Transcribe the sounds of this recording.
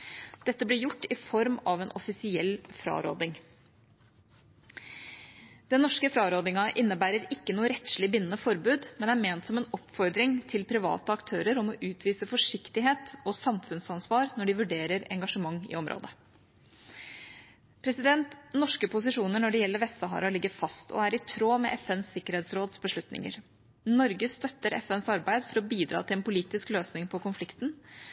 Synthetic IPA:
d̪̥ɛt̪ːəblɪɾjʊʈːɪfɔɾmɑʋɛnʔɔfɪsɪɛlːfɾɑ̰ːɾo̰ːd̪ɪŋ | d̪̥ɛnːɔʂkəfɾɑːɾoːd̪ɪŋɑʔɪnːəbæːɾəɾɪkːənuːəɾɛt̪ʂlɪbɪnənəfɔɾbʉːd̪mɛnæɾmeːnt̪sɔmɛːnɔpfɔɾd̪ɾɪŋt̪ʰɪlpʰɾɪʋɑ̰ːt̪əɑkt̪ʰøːɾəɾɔmɔʔʉːt̪ʰʋiːsəfɔʂɪkt̪ɪɦeːt̪ɔsɑmfʉnsɑnsʋɑːɾnɔɖɪʋʉɖeːɾəɾɛ̰ŋɡɑʂəmɑŋːɪ̰ɔmɾʔo̰ːd̪ə | pʰɾɛsɪd̪ɛnt̪nɔʂkəpʊsɪʂuːnəɳɔɖɛjɛlːəɾʋɛst̪əɦɑ̰ːɾɑlɪɡːəɾfɑst̪ɔ̰æɾɪt̪ʰɾoːmɛ̰ʔɛfɛnsːɪkːəɾeːt̪sɾoːd̪sbəʂɭʉt̪nɪ̰ŋə̰ɾ | nɔɾɡəst̪œt̪ːəɾʔɛ̰fɛnsɑɾbæɪd̪fɔɾɔbiːd̪ɾɑ̰ːt̪ʰɪlɛnpʊliːt̪ɪskløːsnɪŋpʰɔkʊnflɪkt̪n̩

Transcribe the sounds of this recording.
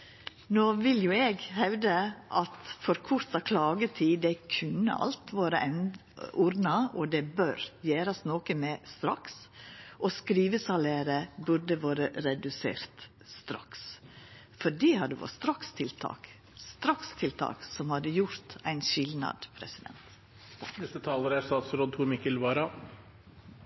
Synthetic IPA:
noːʋɪljʊɛɡhæʉd̪əʔɑt̪fɔɾkʰʊɾt̪ɑkʰlɑːɡət̪ʰiːd̪ɛkʰʉnːə̰ʔɑ̰lt̪ʋɑːɾəʔɛn | uɾnɑɔd̪ɛbøɾjæːɾɑsnoːkəmɛst̪ɾɑksʔɔskɾiːʋəsɑleːɾəbʉɾɖ̪əʋɑːɾəɾɛd̪ʉsḛːɾt̪ | st̪ɾɑ̰ks | fɔɖiːhɑd̪əʋɔ̰st̪ɾɑkst̪ʰɪlt̪ʰɑ̰ːk | st̪ɾɑkst̪ʰɪlt̪ʰɑ̰ːksɔmhɑd̪əjʊɾt̪æɪnʃɪlnɑ̰d̪pʰɾɛsɪd̪ɛ̰nt̪ | nɛst̪ət̪ʰɑːləɾæst̪ɑːt̪sɾoːd̪̚t̪ʰuːɾmɪkːəlʋɑːɾɑ

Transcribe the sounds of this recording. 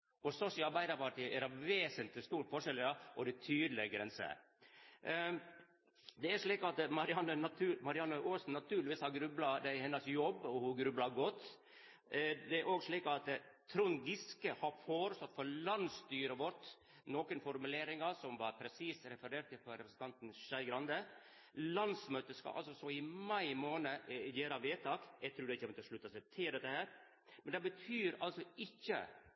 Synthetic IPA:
ɔsɔsɪɑɾbæɪd̪əpɑʈʰiːʔɛɾɑʋʋeːsənt̪ɪst̪uːʈfɔʂɛləɑʔɔd̪ɛt̪ʰyːd̪lɪɡɾɛnsə̰ | d̪ɛæʂɭiːkɑt̪mɑɾɪɑnːənɑt̪ʰʉːmɑɾɪɑnːəʔoːsn̩ːɑt̪ʰʉːɾlɪʋiːshɑɾɡɾʉblɑd̪æɪhɛnːəsjɔbɔhʊɡɾʉblɑɡɔt̪ː | d̪ɛæɾoːɡʂɭiːkɑt̪t̪ʰɾʊnɡɪskəhɑɾfoːɾəst̪ɔt̪fɔɾlɑnst̪yːɾəʋɔʈ̪ | noːkənfɔɾmʉleːɾɪŋɑsɔmʋɑɾpʰɾɛsiːsɾɛfəɾeːʈt̪ːɪpɔɾɛpɾəsən̩t̪ʰɑnt̪n̩ʂæɪɡɾɑnd̪ə | lɑnsmøːt̪əskɑ̰ʔɑ̰lsɔsɔɪmɑɪmoːnəjeːɾɑʋeːt̪ʰɑːkjɛɪt̪ʰɾuːd̪ɛɪçːəmɔt̪əʂɭʉt̪ːɑsɛt̪ʰɪld̪ɛt̪ːəhæːɾ | mɛnd̪ɛbət̪ʰyːɾɑ̰lsɔɪçːə̰

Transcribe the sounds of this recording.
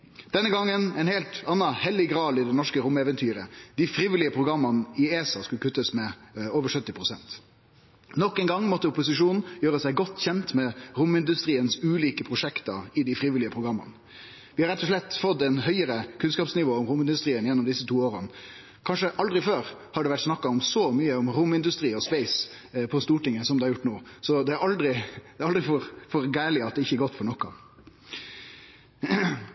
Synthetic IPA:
d̪̥ɛnːəɡɑŋːənɛɪnheːlt̪ɑnːɑhɛlːɪɡɾɑːd̪ɪd̪ɛnɔʂkəɾʊmɛːʋənt̪ʰyːɾəd̪̥ɪfɾiːʋɪlɪəpʰɾʊɡɾɑmːɑnəɪeːsɑskʉlkʰʉt̪ːəsmɛoːʋəʂœt̪ːɪpʰʁʊsɛnt̪ | nɔkːɛŋɡɑŋːmɔt̪ːəʊpʊsɪʂuːnn̩jøːɾəsæɪɡɔt̪ːçɛnt̪mɛʁʊmɪnd̪ʉst̪ɾiːənsʉːliːkəpʰɾʊʂɛkt̪ɑɪd̪ɪfɾiːʋɪlɪəpʰʁʊɡɾɑmːɑ̰n | ʋɪhɑɾɛt̪ːɔʂlɛt̪ːfɔt̪ːɛɪnɦœʏəɾəkʰʉnskɑːpsnɪʋoːɔmɾʊmɪnd̪ʉst̪ɾiːənjɛnːɔmd̪ɪsːət̪ʰuːoːɾən | kʰɑnʂəʔɑld̪ɾɪføːɾhɑɖɛʋæʈsnɑkːɑɔmsɔmyːəʊmɾʊmɪnd̪ʉst̪ɾiːɔspeɪs | pʰɔst̪uːʈɪŋːəsɔmd̪ɛhɑɾjʊʈːnoːsɔd̪ɛæɾɑld̪ɾɪd̪ɛɑld̪ɾɪfɔɾfɔɾɡæːlɪɑt̪d̪ɛɪçəɛɡɔt̪ːfɔɾɳɔkːɑ

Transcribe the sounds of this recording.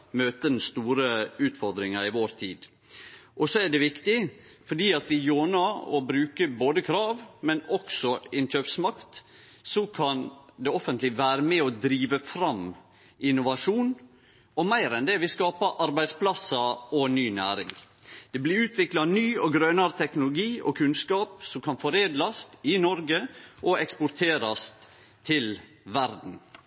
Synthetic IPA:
møːt̪ənn̩st̪uːɾəʉːt̪fɔɾd̪ɾɪŋɑɾɪʋoːɾt̪ʰiːd̪ | ʔɔsɔæɖɛʋɪkt̪ɪfɔɖiːɑt̪ʋɪjoːnɑɔ̰bɾʉːkəboːd̪əkʰɾɑːʋmɛnɔksɔɪnʃøːpsmɑkt̪ | sɔkʰɑnd̪ɛɔfənt̪lɪʋæːɾəmɛɔd̪ɾiːʋəfɾɑm | ʔɪnʊʋɑʂuːn | ɔmæɪɾɛnd̪ɛʋɪskɑːpəʔɑɾbæɪd̪spʰlɑsɑɔnyːnæ̰ːɾɪ̰ŋ | d̪̥ɛblɪʉːt̪ʰʋɪklɑnyːɔɡɾœnɑɾət̪ʰɛknʊlʊɡiːʔɔ̰kʰʉnskɑːpsɔmkʰɑnfɔɾeːd̪lɑst̪ɪnɔɾɡəʔɔɛkspʊɾt̪ʰeːɾɑst̪ | t̪ʰɪl | ʋæɾd̪n̩

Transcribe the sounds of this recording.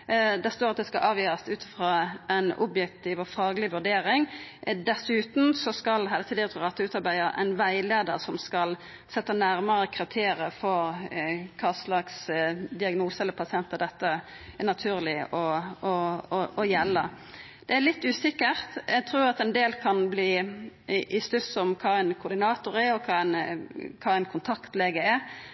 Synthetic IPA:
d̪æst̪oːʁɑt̪̚d̪ɛskɑʔɑːʋjøːɾəst̪ʉːt̪ɪ̥fʁoːɛnʊ̰bjɛkt̪iʋɔfɑːɡəlɪʋʉʁɖeːɾɪŋd̪ɛsʉːt̪n̩sɔskɑlɦɛːlət̪iːd̪ɪt̪ʰʊuːʁɑt̪əʉːt̪ɑɾbæɪəɾæ̰ɪnʋæɪleːd̪ə̰ɾsɔmskɑl | sɛt̪ːənæɾməɾəkʰʁɪt̪ʰeːɾɪəfɔɾkʰɑːslɑksd̪ɪɑɡnuːsəɛləpʰɑsɪɛnt̪əd̪ɛt̪ːə | ænɑt̪ʰʉːʁlɪɔɔɔjɛlːə | d̪̥ɛæɭɪt̪ːʉːsɪkːəʁt̪ɛɡt̪ʰɾuːɾɑt̪ɛnd̪eːlkʰɑnbliː | ʔɪst̪ʉsɔmkʰɑːæɪnkʰʊɾd̪ɪnɑːt̪ʊɾæɾɔkʰɑːɛɪnkʰɑːæɪnkʰʊnt̪ʰɑkt̪leːɡəæɾ

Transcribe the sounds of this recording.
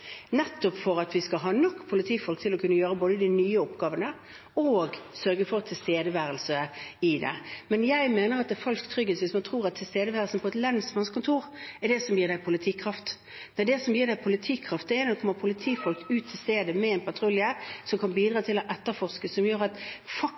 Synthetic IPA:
nɛt̪ːʊpfɔɾɑt̪ʋɪskɑɦɑːnɔkːpʰʊlɪt̪ʰiːfɔlkt̪ʰɪlɔkʰʉnːəjøːɾəboːd̪əd̪ɪnyːəɔpɡɑːʋənə | oɡsœɾɡəfɔɾt̪ʰːɪlst̪eːd̪əʋæːɾəlsəɪd̪ɛ̰mɛnjæɪmeːnəɾɑt̪̚d̪ɛfɑlskt̪ʰɾʏɡːəsʋɪːsmɑnt̪ʰɾuːɾɑt̪ʰːɪlst̪eːd̪əʋæːɾəlsənpʰɔɛt̪lɛnsmɑnskʰʊnt̪ʰuːʁɛd̪ɛsɔmjiːd̪æɪpʰʊlɪt̪ʰiːkʰʁɑft̪ | d̪æd̪ɛsɔmjiːʁd̪æɪpʰʊlɪt̪ʰiːkʰʁɑft̪d̪ɛɛɪnəd̪ɛkʰɔmːəpʰʊlɪt̪ʰiːfɔlk̚t̪ʉːt̪ʰːɪlst̪eːd̪əmɛɛnpʰɑt̪ʰɾʊlɪɛsɔmkʰɑnbiːd̪ɾɑːt̪ʰɪlɔʔɛt̪ːəɾfɔʁskəsɔmjøːɾɑt̪fɑ

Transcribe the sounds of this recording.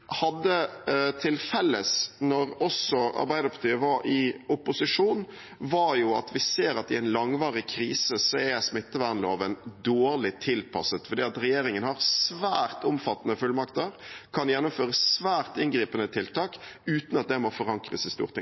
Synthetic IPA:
hɑd̪ːət̪ʰɪlfɛlːəsnɔɾɔsɔɑ̰ɾbæɪd̪əɾpʰɑʁt̪ʰiːəʋɑɾɪʊpʊsɪʂuːn | ʋɑɾjʊɑ̰t̪ʰʋɪseːɾɑt̪ɪɛɪnlɑŋʋɑːʁɪkʰɾiːsəsɔɛsmɪt̪ːəʋæʁnloːʋənd̪oːɾlɪt̪ʰɪlpʰɑ̰sət̪fɔɾd̪iːɑt̪ɾɛjeːɾɪŋənhɑɾsʋæːɾt̪ʊmfɑt̪ːənəfʉlmɑkt̪əɾkʰɑnjɛnːʊmføːɾəsːʋæːʁt̪ɪnɡɾiːpənət̪ʰɪlt̪ʰɑːkʉːt̪nɑt̪̚d̪ɛmɔfɔɾɑŋkɾə̰sæɪst̪ṵːʁɾt̪ʰɪ̰ŋ

